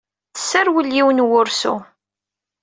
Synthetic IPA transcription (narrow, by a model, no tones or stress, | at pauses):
θə̥sːæɾwəlːiwnwʊɾsṵ